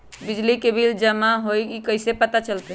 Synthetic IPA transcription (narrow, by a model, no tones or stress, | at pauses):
bid͡ʒlikebʱild͡ʒəmaɦojikəɪsepət̪at͡ʃəlt̪e